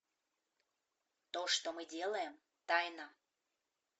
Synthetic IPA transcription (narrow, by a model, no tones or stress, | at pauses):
t̪oʂt̪omɨdʲelˠəjəm | t̪ɑjnə